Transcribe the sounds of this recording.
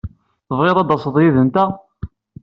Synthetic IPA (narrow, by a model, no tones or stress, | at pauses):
θəvʁeðˤɑd̪ɑsəðˤjiðənt̪æ